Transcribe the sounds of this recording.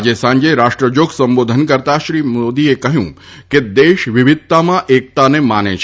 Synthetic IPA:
d͡ʒesãɲd͡ʒeɾaʃʈɾəd͡ʒoɡsə̃mbod̪ʱənkəɾt̪aʃɾimod̪iekəɦjṵ̃ | ked̪eʃʋɪʋɪd̪̚t̪amãʔek̚t̪anemanḛt͡ʃʰ

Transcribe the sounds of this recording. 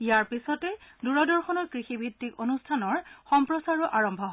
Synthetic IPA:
ijaɹpisɔtɛduɹɔdɔɹxɔnɔɹkɹixibʱitːikonustʰanɔɹxɔmpɹɔsaɹuʔaɹɔmbʱɔɦ

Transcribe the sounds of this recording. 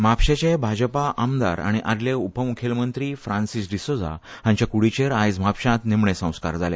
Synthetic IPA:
m̤apɕet͡ɕebʱad͡ʑpaʔamd̪a̰ɾa̰ɽ̃iʔad̪leupəmukʰelmənt̪ɾiːfɾãnsisd̪isod͡za̰ | ɦãɲt͡ɕjakuɽit͡ɕeɾajd͡zm̤apɕãt̪nemɳesə̃w̃ska̰ɾd͡zalḛ

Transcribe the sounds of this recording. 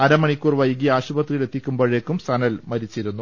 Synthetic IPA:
ɐɾɐmɐɳikʲːuːrʋɐjɡiaːɕubɐt̪rijile̞t̪ːikʲːumboːɻekːumsɐnɐlmɐɾit͡ɕːiɾunːu

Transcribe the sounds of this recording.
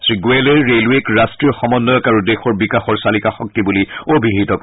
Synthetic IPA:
sɹiɡuelɛɹɹelwekɹastɹijɔxɔmɔnːɔjɔkaɹudexɔɹbikaxɔɹsalikaxɔk̚tibuliobʱiɦitɔk

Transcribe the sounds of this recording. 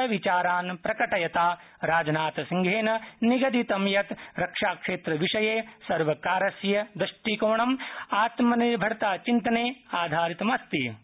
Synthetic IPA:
ɐʋit͡ʃaːɾaːnpɾɐkɐʈɐjɐt̪aː | ɾaːd͡ʒɐnaːt̪ɐsiŋɡʱeːnɐniɡɐd̪it̪ɐmjɐt̪ɾɐkʂaːkʂeːt̪ɾɐʋiʂɐjeːsɐɾʋɐkaːɾɐsjɐd̪ɐʂʈiːkoːɳɐmaːt̪mɐniɾbʱɐɽt̪aːt͡ʃint̪ɐneːaːd̪ʱaːɾit̪ɐmɐst̪i

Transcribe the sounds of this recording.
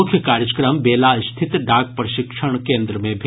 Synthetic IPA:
ʊkʰːjəkaːɾjəd͡ʒəkɾəmbeːlast̪ʰɪt̪ɖaːɡ̚pɾəʃɪkʂəɳ̃kẽːnd̪ɾəmẽbʱ

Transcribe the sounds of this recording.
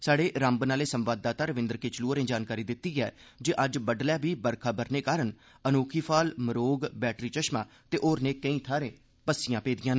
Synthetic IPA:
saːɖeːʔɾə̃mbnaːleːsəmʋaːd̪̚ːaːt̪aːɾəʋɪ̃nd̪əɾkeːt͡ʃəluːəɾẽːd͡ʒaːnkaːɾiːd̪ɪt̪ːiːɡɛːd͡ʒeːʔəd͡ʒbəɖlɛːbiːbəɾkʰaːbəɾneːkaːɾən | ənoːkʰiːpʰaːlməɾoːɡbɛːʈɾiːt͡ʃəʃmãː | t̪eːʔoːɾneːkəĩːt̪ʰaːɾẽː | pəsːɪjãːpeːd̪ɪjãːn

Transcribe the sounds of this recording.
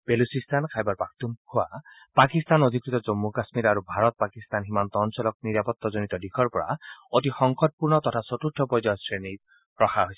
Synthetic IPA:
b̥elusistʰankʰajbaɹpak̚tumkʰʊwa̰ | pakist̪anod̪ʱikɹit̪ɔzɔmːukasmiɾaɹubʱaɹɔt̪̚pakist̪anɦimant̪ɔnsɔlɔk̚niɹapɔt̪ːɔzonit̪ɔdikʰɔɹpɔɹa̰otixɔŋxʰɔt̚puɹnɔt̪ɔtʰasɔtuɹtʰːɔpɔjzɔjsɹeni | ɹɔxʰaɦojsɛ

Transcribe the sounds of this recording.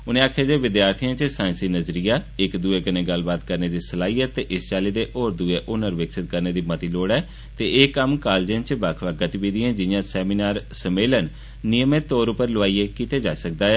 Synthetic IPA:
ʊnẽːaːkʰjaːd͡ʒeːʋɪd̪jaːɾt̪ʰiãːt͡ʃsaːɪ̃nsiːnəzɾijaːɪkd̪uːeːkənẽːɡəlbaːt̪kəɾneːd̪iːsəlaːɦiːɛːt̪ːeːʔɪst͡ʃaːleːd̪eːʔoːɾd̪ueːʔʊnəɾʋɪksɪt̪̚kəɾneːd̪iːmət̪iːloːɽɛː | t̪eeːkːəmkaːld͡ʒə̃ːnt͡ʃbaːkʰʋaːɡət̪iːbiːd̪iãːd͡ʒɪjãːsɛːmiːnaːɾsəmeːlən | nɪjəmẽːt̪oːɾʊpəɾləʋaːiːeːkiːt̪eːd͡ʒaːisək̚d̪aːɛː

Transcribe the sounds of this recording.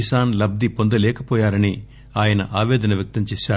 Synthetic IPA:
isaːnlɐb̚d̪ipond̪ɐlɛːkɐpɔːjaːɾɐni | aːjɐnɐʔaːʋɛːd̪ɐnɐʋjɐk̚t̪ɐmt͡ʃɛːʃaː

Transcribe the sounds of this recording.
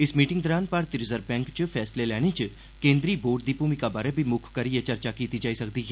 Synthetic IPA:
ɪsmiːʈɪ̃ŋɡd̪ɔːɾaːnpɐɾt̪ɪɾɪzəɾbɛ̃ːŋkt͡ʃpʰɛːslelɛːɽ̃et͡ʃ | kẽːnd̪ɾiboːʈ̚d̪iːpuːmikabaːɾebʱimʊkʰkɐɾijat͡ʃɐɾt͡ʃakiːt̪id͡ʒaːisɐkd̪iːɦɛː

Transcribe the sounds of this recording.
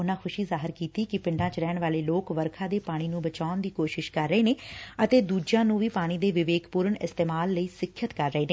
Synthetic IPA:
ʊnãːxʰʊʃiːzaːɦəɾkiːt̪iːkɪpɪ̃ɳɖãːt͡ʃɾɛːɳʋaːleːloːkʋəɾkʰãːd̪eːpaːɽ̃iːnũːbət͡ʃaːʊnd̪iːkoːʃɪʃkəɾːəeːneːət̪eːd̪uːd͡ʒãːnũːʋiːpaːɽ̃iːd̪eːʋɪʋeːkpuːɾəɳɪst̪eːmaːlːəiːsɪkʰːjət̪kəɾːəeːneː

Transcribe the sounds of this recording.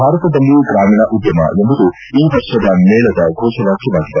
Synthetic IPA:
bʱaːɾɐt̪ɐd̪ɐlːiɡɾaːmiːɳɐʔud̪jɐmɐ̰embɐd̪u | iːʋɐɾʂɐd̪ɐnɛːɭɐd̪ɐɡʱɔːʃɐʋaːkiʋaːɡid̪ɐɾ

